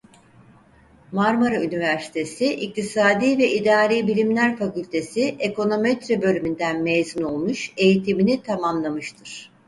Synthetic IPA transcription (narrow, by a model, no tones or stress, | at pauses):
maɾmaɾaynivæɾsi̥t̪ʰe̞siʔik̚t̪ʰisaːd̪iːvɛʔid̪aːɾiːbilʲimlʲæɾfakylʲt̪ʰe̞siʔeko̞no̞met̪ɾebø̞lʲymynd̪ænmejzuno̞lˠmuʃe̞jit̪ʰiminit̪ʰamamlˠamɯʃt̪ʰɯɾ̥